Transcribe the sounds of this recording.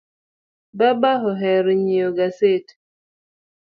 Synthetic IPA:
babaɦɔɦɛɾɲioɡaset

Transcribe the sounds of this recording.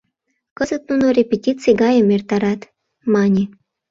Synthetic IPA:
kəzət̪̚nunorʲepʲetʲit͡sɨjɡɑjəmert̪ɑɾɑt̪ | mɑnʲi

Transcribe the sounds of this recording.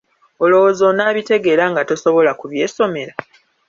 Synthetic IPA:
o̞lo̞wozo̞naːβite̞ɡe̞ːɾaŋɡato̞so̞βo̞lakuβje̞ːso̞me̞ɾa

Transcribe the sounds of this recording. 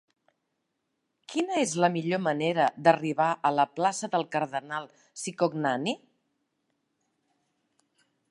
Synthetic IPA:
kʰinəezləmiʎoməneɾəd̪əriβaʔələplasəðəlˠkəɾðənalˠ | sikoɡnani

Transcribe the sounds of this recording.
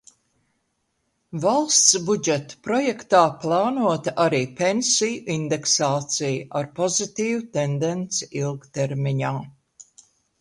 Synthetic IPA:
valˠst̪sbud͡ʒɛt̪u̥pɾɔjɛkt̪aːplˠɑːnuɔt̪aʔaɾiːpensijuʔind̪eksaːt̪sijuʔaɾpɔzit̪iːvut̪end̪ent̪siilˠkt̪eɾmiɲaː

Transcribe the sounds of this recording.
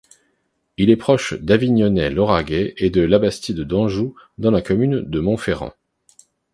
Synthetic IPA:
ilɛpχɔʃd̪aviɲɔnɛlɔʁaɡʲɛed̪əlabast̪id̪əd̪ɑ̃ʒud̪ɑ̃lakɔmynd̪əmɔ̃feʁɑ̰̃

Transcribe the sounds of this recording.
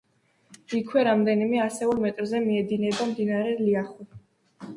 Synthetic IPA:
ikʰwɛɾamd̪ɛnimɛasɛulˠmɛt̪ʼɾzɛmiɛd̪inɛbamd̪inaɾɛliaχu

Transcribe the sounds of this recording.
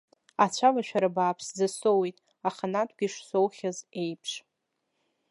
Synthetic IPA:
at͡ɕʷʰavaʃᶣaɾabaːpʰszasowejtʼ | aχanatʰʷʼɡʲiʂsowχʲazejpʰʂ

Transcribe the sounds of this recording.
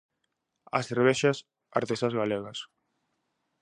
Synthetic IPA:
ɐ̰seɾβ̞ɛʃɐs | a̰ɾt̪esazɣaleɣɐs

